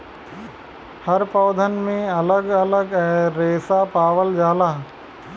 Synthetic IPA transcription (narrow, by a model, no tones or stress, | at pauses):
hɐɾpɔːd̪ʱənmẽɐləɡɐləɡɛ̃ːɾeːsapaːʋəld͡ʒaːlaː